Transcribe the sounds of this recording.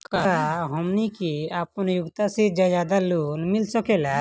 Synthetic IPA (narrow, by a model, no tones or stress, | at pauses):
kaaɦɔmnikiapənjʊɡt̪ased͡ʒajaːd̪aluːnmɪlsɔkelɛ